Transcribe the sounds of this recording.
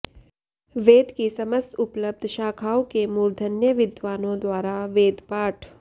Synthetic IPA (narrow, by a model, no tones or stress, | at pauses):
ʋeːd̪kisɐməst̪ʊpləb̚d̪ʱʃaːkʰaːwkemuːɾd̪ʱənjəʋɪd̪ʋaːnõd̪waːɾaʋeːd̪paːʈʰ